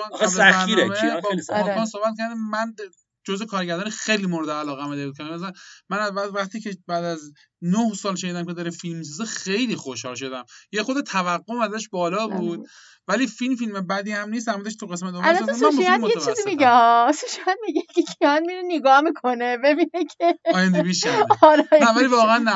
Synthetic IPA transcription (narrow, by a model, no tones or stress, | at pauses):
næsææiɾebɒliskɔːnsohbæt̪̚cʰæɾd̪æmæn | d͡ʒozvekʰɒːɾɟæɾd̪ɒːnixejliːmoɾed̪eælɒːɣæmed̪eut̪̚kʰæzæmænæzvævæχt̪iːcʰebæːd̪æz | nohsɒːlʃeniːd̪æmkʰʲe̞d̪ɒːɾefilmis̬ɒzexe̞jliːxoʃhɒːlʃ̬o̞d̪æmjexod̪et̪ʰævæɣːomæzæʃbɒːlɒːbuːd̪ | væliːfilmfilmebæd̪iːhæmniːst̪æɾmuːzæʃ̬t̪ʰuɣe̞smæt̪olst̪ːesmæʃiamojeet͡ʃʰːiszimiɡɛhɔsuʃianmiɡekʰekʰianmiɾeneɡɒhmikʰonebebinekʰeɒːjjænd̪ebiːʃæɾɛnævælivɒːɣeænːæ